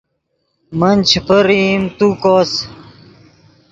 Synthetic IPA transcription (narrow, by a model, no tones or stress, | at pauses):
mənʲt͡ɕʰpəɾimt̪ukoːs